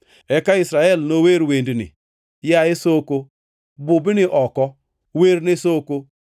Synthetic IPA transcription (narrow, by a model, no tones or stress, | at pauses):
ɛkaɪsɾaɛlnoweɾwendnɪ̰ | jaɪsoko | bʊbɪnɪʔɔkɔ | weɾnɪsoko